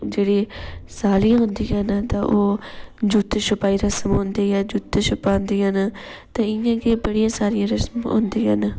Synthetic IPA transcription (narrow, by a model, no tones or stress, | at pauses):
d͡ʒeːɽiːsaːliãɦʊ̃nd̪iːɦãːnat̪ãːʔoːd͡ʒuːt̪ʃʊpaːiːɾəsəmɦõːnd̪iːɛːd͡ʒuːt̪ʃʊpaːɦnd̪iːãːnaːt̪ãːɪjãːkeːbəɽijãːsaːɾijãːɾəsəmɦõ̰ːnd̪iːaːnaː